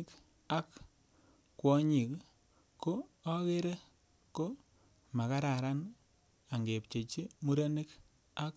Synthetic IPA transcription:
k | a˦k | kːwɔ˦ɲi˨k | kːo˦ɔ˦ke˦ɾe˦ | ko˦ | ma˨ka˦ɾa˨ɾa˦n | a˨ŋɡe˨pt͡ʃe˨t͡ʃi˦mu˦ɾa˦ni˦k | a˦k

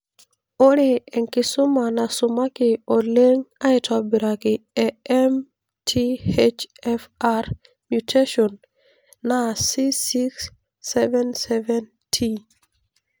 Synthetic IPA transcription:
o˦ɾe˨ɛ˨ŋkɪ˦sʊ˦ma˨na˨sʊma˦kɪ˨o˨le˦ŋa˦ɪ˦tʰɔ˨bi˨ɾa˨kɪɛɛm | tʰi˦het͡ʃɛfar | mjutʰe˦ʃɔnː | asisiksː | ɛvɛnsɛvɛn | tʰi

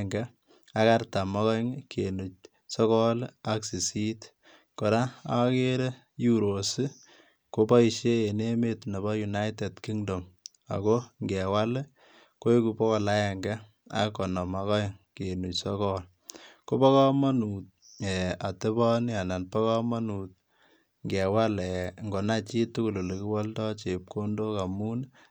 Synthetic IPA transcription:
ŋɡa˦ | a˦ka˦rta˨mɔ˦kɔ˦ŋke˨nu˨t͡ʃ̚ | sɔ˦kɔ˦la˦ksi˨si˦t | ko˨ɾa˦a˦ke˦ɾe˦ | ju˦ɾo˨si˦ | ko˦pɔ˦i˨ʃe˦e˨ne˦metne˨bɔ˦ju˨na˦jte˨tki˦ŋdo˨m | a̰˨ko˦ŋɡe˨wa˦l | ko˦e˦ku˨pɔ˦kɔ˦la˦jɛ˨ŋɡa˦ | a̰˦kɔ˨nɔ˨ma˨kɔ˦jke˨nu˨sɔ˦kɔ˦l | ko˦bɔ˦kɔ˦ma˦nu˨t̚ | ɛ˨a˨te˦bɔ˦n˦a˨na˨npɔ˦kɔ˦ma˦nu˨t̚ | ŋɡɛ˨wa˦lɛ˨ŋɡo˨na˦t͡ʃi˦tu˦ku˨lo˨le˨ki˦wɔ˦ltɔ˦t͡ʃe˨p̚ko˦ndo˦ka˨mu˦n

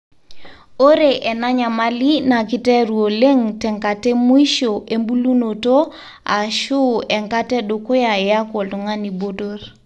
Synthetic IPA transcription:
o˦ɾe˨ʔɛ˨na˦ɲa˨ma˦li˦na˨kɪ˦tɛ˦ɾu˨o˨le˦ŋtɛ˨ŋka˨tɛ˦mu˦i˦ʃo˨ʔe˦mbu˦lu˦no˨to˦ | a˨ʃu˦ɛ˨ŋka˦tɛ˦ɗʊ˨ko˦ja˨ɛ˨ja˦ko˨ltɔ˨ŋa˦ni˨bo˦do˦r

